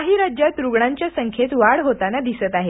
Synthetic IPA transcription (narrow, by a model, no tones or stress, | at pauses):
aɦiːɾad͡ʑjat̪ɾuɡɳaɲt͡ɕjasəŋkʰet̪ʋaɽɦot̪anad̪isət̪aɦe